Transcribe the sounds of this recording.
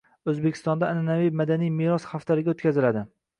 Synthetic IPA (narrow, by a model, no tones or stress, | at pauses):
ɵzbekʲʰɪst̪ɒnd̪aːnɪnavimad̪anijmiɾɒsχaft̪aɾɪɡʲaot̪kʰʲazɪlad̪ɪ